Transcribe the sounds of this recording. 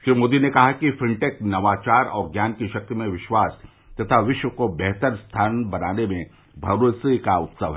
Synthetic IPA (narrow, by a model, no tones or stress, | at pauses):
ʃiːmoːd̪inekɐɦakifɪ̃ɳʈeːknɐʋaːt͡ʃaːɾɔ̰ːɾɡjaːnkiʃɐk̚t̪imẽʋɪʃwaːs | t̪ɐt̪ʰaʋɪʃwəkobɛɦt̪əɾst̪ʰaːnbɐnaːnemẽ | bʱɐɾoːsikaʊt̪səʋɦ